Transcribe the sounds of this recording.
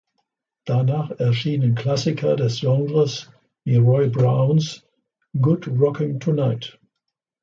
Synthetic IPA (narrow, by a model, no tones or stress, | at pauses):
d̥anaːχɛɐʃiːnənkʰl̥asɪkʰɐdɛsjɔŋɡʁəs | jiʁɔɪbʁaʊns | ɡʊtʁɔkʰɪŋtʰunaɪt